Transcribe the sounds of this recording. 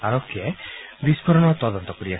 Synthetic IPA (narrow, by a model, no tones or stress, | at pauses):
aɾokebispɔɾɔnɔt̪ɔðɔnt̪ɔkuɾia